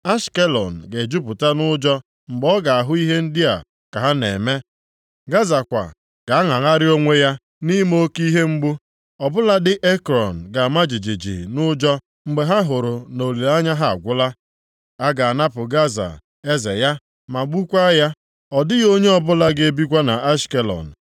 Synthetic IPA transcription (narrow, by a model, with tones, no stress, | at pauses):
a˦ʃke˦lɔ̰˨n̩˨ɡe˨d͡ʒu˦pʊ˨ta˦nʊ˦d͡ʒɔ˦ | ŋ͡m̩˨ɡ͡bɔ˦ɡa˨a˨ɦʊ˦i˦ɦe˦n̩˦dɪ˦a̰˨ | ka˨ɦa˦nḛ˨me˦ | ɡa˦za˨kʷa̰˨ | ɡ̥a˨a˦ŋa˨ŋa˦ɾɪ˦o˦ŋʷe˦ja˦ | ni˦m˦o˦ki˦ɦe˦ŋ͡m̩˦ɡ͡bʊ˦ | ɔ˨bʊ˦la˦dɪ˦ʔe˦kɾɔ˨n̩˨ɡa˨ma˦d͡ʒi˨d͡ʒi˨d͡ʒḭ˨nʊ˦d͡ʒɔ˦ | ŋ͡m̩˨ɡ͡be˨ɦa˦ɦʊ˨ɾʊ˨no˨le˨la˦ɲa˦ɦa̰˦˨ɡʷʊ˦la˦ | a˦ɡa˨a˨na˦pʊ˨ɡa˦za̰˨ | e˦zḛ˨ja˦ | ma˨ɡ͡bu˦kʷa˦ja˦ | ɔ˨dɪ˦jo˦ɲe˦ɔ˦˨bʊ˦la˦ɡe˦bi˦kʷa˦na˨ʔa˦ske˨lɔ̰˨n̩˨